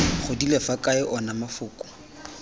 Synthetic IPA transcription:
χʊdilɛfakʼaɪʔɔnamafʊːkʼʊ̥

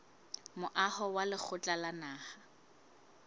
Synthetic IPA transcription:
mʊʔahɔwalɪk͡xʰʊt͡ɬʼalanaːha

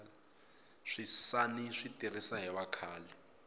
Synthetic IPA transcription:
l | ʂisaniʂitʼir̤isaɦɛβakʰaːlɛ

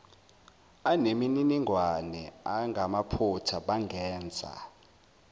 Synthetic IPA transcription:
anemininiŋʱwanɛaŋɡʱamapʰutʰaɓaŋɡʱɛːnd͡zʱa̰

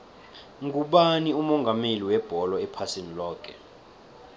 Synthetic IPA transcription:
ŋɡʱuɓaniumɔŋɡʱameliwɛb̥ʱɔlɔɛpʰasenilɔːk̬ʰʼɛ̰

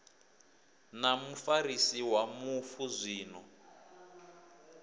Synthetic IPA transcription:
namufaɾisiwamufuzʷiːnɔ

